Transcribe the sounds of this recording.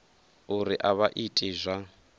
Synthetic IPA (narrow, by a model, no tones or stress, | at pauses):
uɾiʔaβaʔitʼizʷa